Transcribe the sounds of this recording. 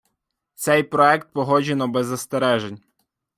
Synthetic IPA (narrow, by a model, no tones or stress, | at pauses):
t̪sɛjpɾɔɛkt̪̚pɔɦɔd͡ʒenɔbezːɐst̪eɾɛʒenʲ